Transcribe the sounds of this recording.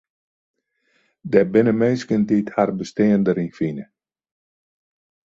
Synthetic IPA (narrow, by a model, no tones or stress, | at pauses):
dɛbɪnəmenskəndiːtharbəsteːəndəɾinkfinə